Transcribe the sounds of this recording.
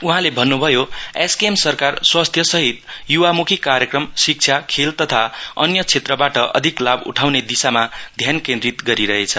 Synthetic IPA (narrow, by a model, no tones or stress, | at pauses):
uɦãlebʱʌnːubʱʌjoeskemsʌrkarswast̪ʰjʌsʌɦit̪juwamukʰikaɾjʌkrʌmsik̚t͡sʰjakʰelt̪ʌt̪ʰaʌ̰njʌt͡sʰet̪rʌbaʈʌʔʌ̰d̪ʱiklabṵʈʰawned̪isamad̪ʱjankẽnd̪rit̪ɡʌɾiɾʌɦet͡sʰʌ